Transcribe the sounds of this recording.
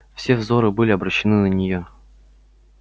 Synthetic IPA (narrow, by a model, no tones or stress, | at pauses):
fsʲevzoɾɨbɨlʲɪɐbɾəɕːɪnɨnənʲɪjo